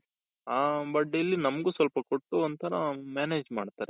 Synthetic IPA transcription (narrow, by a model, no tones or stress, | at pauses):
aːbɐʈ̚ːilːinɐmɡuːsʋɐlpɐkoʈːuond̪t̪ʰɐnɐmaːneːd͡ʒmaːɖt̪aːɾe